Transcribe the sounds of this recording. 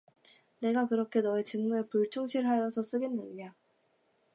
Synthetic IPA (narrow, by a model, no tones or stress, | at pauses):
ne̞ɡakɯɾʌkʰe̞nʌet͡ɕɯŋmuɯepuɭt͡ɕʰoŋɕʰiɭɦajʌsʰʌs͈ɯɡe̞nːɯɲɲa